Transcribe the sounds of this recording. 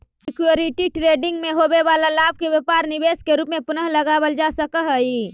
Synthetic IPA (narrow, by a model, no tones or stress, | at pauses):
ɪkjoɾiʈiʈɾeːɖɪ̃ŋɡmẽɦoːbeʋaːlalaːb̚keʋjəpaːɾnɪbeːskeɾuːpmẽpʊnəɦləɡaːwəld͡ʒaːsəkəɦəi